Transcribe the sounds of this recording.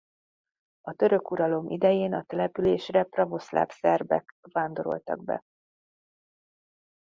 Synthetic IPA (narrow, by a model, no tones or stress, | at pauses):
ɒt̪ø̞ɾø̞kuɾɒlo̞mʔid̪ɛjeːnɒt̪ɛlɛpyleːʃrɛprɒvo̞sla̰ːfsɛrbɛ̰kvaːnd̪o̞ɾo̞̰lt̪ɒ̰ɡ̚bɛ̰